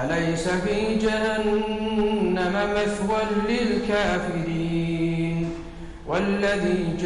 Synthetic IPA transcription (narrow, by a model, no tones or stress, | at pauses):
lajsafiːd͡ʒahanː | amamaθwanlɪlkaːfɪɾiːn | walːaðiːd͡ʒ